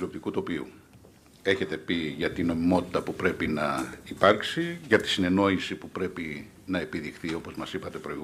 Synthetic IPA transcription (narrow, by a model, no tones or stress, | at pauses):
lio̞p̚t̪ikut̪o̞piṵ | e̞çe̞t̪e̞piʝɐt̪ino̞mimo̞t̪i̥t̪ɐpupɾe̞pinɐipɐɾksiʝɐt̪i̥sine̞no̞isipupɾe̞pi | nɐe̞piðixθio̞po̞zmɐsipɐt̪e̞pɾo̞iɣ